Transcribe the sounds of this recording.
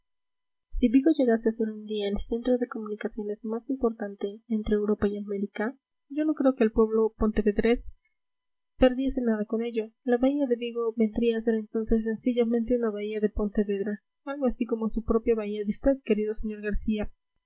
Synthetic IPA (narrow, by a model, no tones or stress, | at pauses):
siβiɣo̞ʝe̞ɣasease̞ɾund̪iaelse̞nt̪ɾo̞ðe̞ko̞mũnikasjo̞ne̞zmasimpo̞ɾt̪ant̪e̞ːnt̪ɾeːwɾo̞paiame̞ɾika | ɟ͡ʝo̞no̞kɾe̞okeːlpwe̞βlo̞po̞nt̪e̞βe̞ðɾe̞s | pe̞ɾðje̞se̞naðako̞ne̞ʝo̞laβaiaðe̞βiɣo̞βe̞nd̪ɾiaːse̞ɾent̪o̞nse̞sːe̞nsiʝamẽnt̪e̞unaβaiaðe̞po̞nt̪eβe̞ðɾa | alɣoasiko̞mosupɾo̞pjaβaiaðeust̪e̞ðke̞ɾiðo̞se̞ɲo̞ɾɣaɾsia